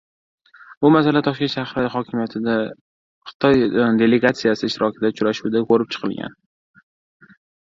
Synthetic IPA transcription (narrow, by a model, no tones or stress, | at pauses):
bʊmasalat̪ʰɒʃkʲe̞nʃahɾɪχɒkʲʰɪmijat̪ʰɪd̪a | χɨ̥t̪ʰɒjd̪e̞le̞ɡat̪sijasɪɪʃt̪ɪɾɒkʲʰɪd̪at͡ʃʰʊɾaʃud̪akʰɵɾɪp̚t͡ʃʰɨ̥qʰɨlˠɡʲa̰n